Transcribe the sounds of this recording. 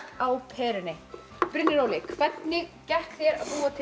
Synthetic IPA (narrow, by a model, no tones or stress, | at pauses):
awpʰɛːɾʏnɪ | pɾɪnːɪɾowlɪkʰvɛt̪nɪcɛht̪θjɛɾaðpuːat̪ʰ